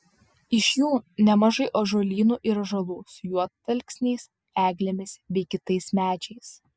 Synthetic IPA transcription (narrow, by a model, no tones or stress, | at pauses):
ɪʃʲjuːnʲɛmɐʒɐɪʔoːʒoːlʲiːnuːʔiːɾɐʒɐlˠuːsʊjuɔt̪ːɐlʲksʲnʲɛɪs | æːɡlʲemʲɪsbʲɛɪkʲɪt̪ɐɪsmʲæːd͡ʒʲɛɪs